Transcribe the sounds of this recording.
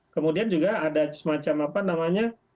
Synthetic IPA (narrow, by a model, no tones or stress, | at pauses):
kəmudiand͡ʒuɡaːdasəmat͡ʃamapanamaɲa